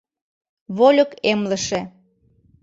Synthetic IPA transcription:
βolʲəkemlə̆ʃĕ

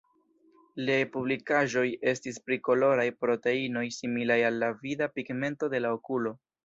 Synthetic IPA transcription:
lepublikaʒo̞je̞stispɾiko̞lo̞ɾajpɾo̞te̞ino̞jsimilajalːavidapiɡme̞nto̞de̞laokulo̞

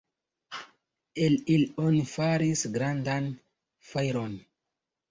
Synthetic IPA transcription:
elilonifaɾisɡɾandan | fajɾo̞n

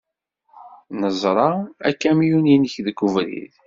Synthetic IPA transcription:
nəzˤɾˤɑækːæmjuninəçðkːuvɾḭð

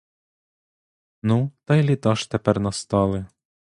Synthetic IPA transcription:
nut̪ɐjlʲit̪ɔʃt̪ɛpɛrnɔst̪ɔlˠɪ

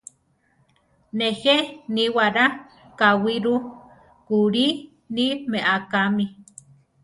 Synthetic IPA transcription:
neheniwaɾa | kawiɾu | kuɾi | nimeʔakami

